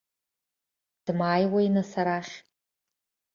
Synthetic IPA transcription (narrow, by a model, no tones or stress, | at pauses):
d̥ɨmaːjwainasaɾaχʲ